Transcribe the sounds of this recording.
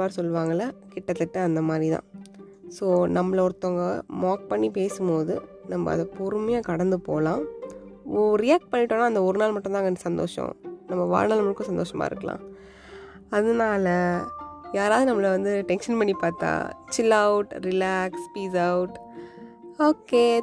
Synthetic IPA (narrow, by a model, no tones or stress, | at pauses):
ʋaːɾsɔlːɯʋaːŋɡɐlɐkɪʈːɐt̪ːɪʈːɯɐnd̪ɐmaːd̪ɾit̪ã̰ː | soːnɐmːɐɭɔɾɯt̪ːɔŋɡɐmaːk̚pɐɳːipeːsɯmpoːðɯ | nɐmːɐ̰ɐ̰ðɐpuɾɯmɐjaːkɐɽɐnd̪ɯpo̰ːlãː | ɔɾɪjaːk̚ʈ̚pɐɳːiʈːoːnːaːɐnd̪ɐɔɾɯnaːlmɐʈːʊ̃nd̪aːŋɐnɐsɐnd̪o̰ːʂɔ̰̃nɐmːɐʋa̰ːɻnaːlmɭɯkːʊ̃sɐnd̪oːʂɐma̰ːɪɾɯkːɐlã̰ː | ɐðɯnaːlɐ | jaːɾaːðɯnɐmːɐɭɐʋɐnd̪ɯʈɛnʂɐnpɐɳːipaːɾt̪ã̰ːt͡ʃɪlːɐʊʈɾɪlaːkspiːsɐʊʈ | oːkːeː